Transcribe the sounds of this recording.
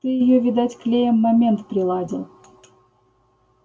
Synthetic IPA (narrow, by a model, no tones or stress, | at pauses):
t̪ɨjɪjovʲɪd̪atʲklʲejəmːɐmʲe̞nt̪pɾʲɪlˠadʲɪlˠ